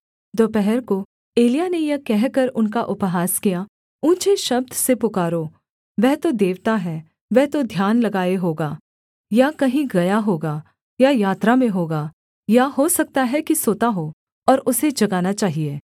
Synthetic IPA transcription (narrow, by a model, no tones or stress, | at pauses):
d̪oːpɛɦɛɾko | eːlijanejɐkɛɦkɐɾʊnkaʔʊpɦaːskija | ũːt͡ʃeʃɐb̚d̪ʱsepʊkaːɾoː | ʋɛɦt̪od̪eːʋt̪aɦɛ | ʋɛɦt̪od̪ʱjaːnlɐɡaːeɦoːɡaː | jakɐɦĩɡɐjaɦoːɡa | jajaːt̪ɾamẽɦoːɡaː | jahosɐk̚t̪aɦɛkisoːt̪aɦo | ɔːɾʊsed͡ʒɐɡaːnat͡ʃaːɦieː